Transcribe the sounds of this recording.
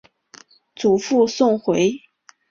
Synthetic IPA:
t͡su˨˩fu˥˧sʊ˥˩ŋxwe˧˥ɪ

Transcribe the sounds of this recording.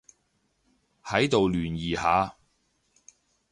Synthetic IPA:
hɐ˨˥jt̪o˨wlyː˨˩njiː˨haː˨˧

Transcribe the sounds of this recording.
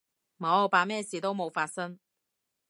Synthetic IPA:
mo˨˥wpaː˨mɛː˥˩siː˨t̪o˥wmo˨˧wfaː˧t̚sɐ˥ŋ

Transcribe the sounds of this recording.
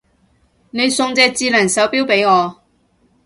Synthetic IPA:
ne˨˧jsʊ˧ŋt͡sɛː˧t͡siː˧lɐː˨˩nsɐ˨˥wpiː˥wpe˨˥jŋɔː˨˧

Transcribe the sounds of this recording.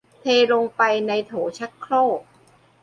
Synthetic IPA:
t̪ʰeː˧lo˧ŋpa˧jna˧jt̪ʰoː˩˦t͡ɕʰa˦˥kkʰɾoː˥˩k̚

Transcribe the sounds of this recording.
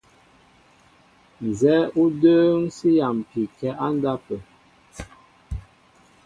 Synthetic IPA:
n̩˨zɛ˨˦ʔu˦də˦ŋsi˦ja˨m˨pi˨kɛ˦ʔa˦n˦da˦pə˨

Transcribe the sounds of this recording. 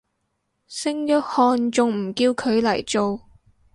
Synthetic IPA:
sɪ˥ŋjœː˥t̚hɔː˧nt͡ʃʊ˨ŋm̩˨˩kiː˧wkʰɵ˨˧ɥlɐ˨˩jt͡ʃo˨w

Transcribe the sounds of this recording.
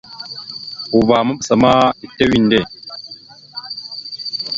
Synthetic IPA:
u˨baː˨mɐ˦ɓsɐ˨maː˦i˨tːe˦wi˦˨nde˦˨

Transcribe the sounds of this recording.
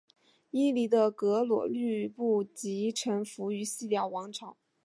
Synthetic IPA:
i˥li˧˥d̪ə˧kɤ˧˥lwɔ̰˨˩ly˥˧pu˥˩t͡ɕi˧˥ʈ͡ʂʰə˧˥ŋfu˧˥y˧˥ɕi˥˧ljɑ˥˩ʊwɑ˧˥ŋʈ͡ʂʰɑ˨˩˦ʊ

